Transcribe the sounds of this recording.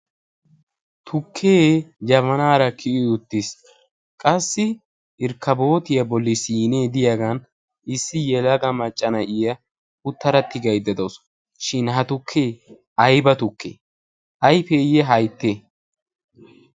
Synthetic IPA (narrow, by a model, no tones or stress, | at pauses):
t̪ʰʊkʰːeːd͡ʒɐmɐnaːɾɐkʰɪɪʊt̪ːɪs | kʼɐsːɪ | ʔɪɾkːɐbo̞ːt̪ɪjɐbɔlːɪsiːneːd̪ɪjaɡɐn | ɪsːɪjɛlɐɡɐmɐt͡ʃʼːɐnɐʔɪjɐ | ʊt̪ːɐɾɐt̪ːɪɡɐjd̪ːɐd̪os | ʃɪnɦɐt̪ʊkʰːeː | ɐjbɐt̪ʊkːe | ʔɐjfejɛɦɐjt̪ːe